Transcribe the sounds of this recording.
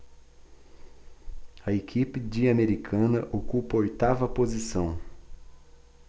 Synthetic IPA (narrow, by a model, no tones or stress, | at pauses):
ɐekʰipɪd͡ʒiameɾikʰɐ̃nɐʔokupɐojt̪avɐpozisɐ̃w̃